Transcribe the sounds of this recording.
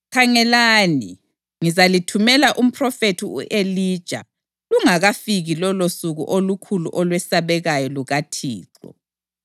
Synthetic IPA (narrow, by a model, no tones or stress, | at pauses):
kʰaŋɛlaːni | ŋizalitʰumɛlaʔum̩pʰrɔfetʰiṵʔelid̥ʒ̥ʱa̰ | luŋaɣafiɣilɔlosuɣṵʔolukʰulṵʔɔlwɛsaβɛɣajɔluɣatʰḭːǁɔ̰